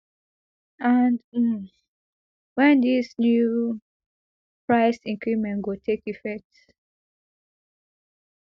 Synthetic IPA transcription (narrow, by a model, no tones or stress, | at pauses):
and̩m | wɛ̃nðisnju | pɹaɪsĩŋkimɛ̃ŋɡotʰekifɛk̚t